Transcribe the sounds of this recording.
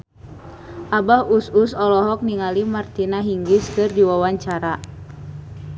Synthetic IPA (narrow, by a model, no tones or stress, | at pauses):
ʔabahususɔlɔɦɔk̚niŋalimart̪inaɦiŋɡiskɨrdiwawaɲt͡ʃaɾa